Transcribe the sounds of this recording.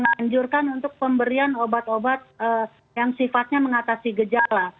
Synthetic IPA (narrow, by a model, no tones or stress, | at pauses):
əŋaɲd͡ʒurkanunt̪ʊk̚pəmbəɾianobat̪obat̪̚ə | jaŋsifat̪̚ɲaməŋat̪asiɡəd͡ʒala